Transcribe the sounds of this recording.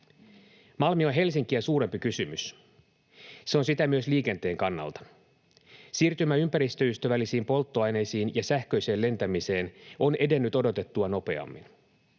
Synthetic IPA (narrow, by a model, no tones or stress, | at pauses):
mɑlmio̞nɦe̞lsiŋk̟iæsuːɾe̞mpikysymys | se̞o̞nsit̪æmyø̞sliːke̞nt̪e̞ːŋkɑnːɑ̰lt̪ɑ̥ | siːrt̪ymæympæɾist̪ø̞yst̪øʋælisiːmpo̞lt̪ːoɑjne̞jsiːnjɑsæhkø̞jse̞ːle̞nt̪æmise̞ːno̞nʔe̞de̞nːyt̪o̞dot̪e̞t̪ːuɑno̞pe̞̰ɑ̰mːḭn